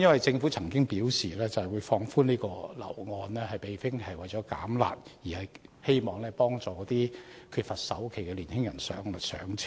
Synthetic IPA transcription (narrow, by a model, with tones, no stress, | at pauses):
jɐ˥nwɐ˨jt͡sɪ˧ŋfuː˨˥t͡sʰɐ˨˩ŋkɪ˥ŋpiː˨˥wsiː˨˩lɛː˥t͡sɐ˨hjwuː˨˧jfɔː˧ŋfuː˥niː˥kɔː˧lɐ̰˨˩wŋɔː˧nlɛː˥hɐ˨jpe˨jfɪ˥ŋhɐ˨˩jwɐ˨jt͡ʃɔː˨˥ka̰ː˨˥mla̰ː˨˩k̚jiː˨˩hɐ˨jhe˥jmɔː˨˩ŋlɛː˥pɔː˥ŋt͡sɔː˨kɔː˨˥t̪iː˥kʰyː˧t̚fɐ˨t̚sɐ̰˨˥wkʰe˨˩jkɛ˧liː˨˩nhɪ˥ŋjɐ˨˩nsœ̰ː˨˥ŋlɐ˨˩sœ̰ː˨˥ŋt͡sʰ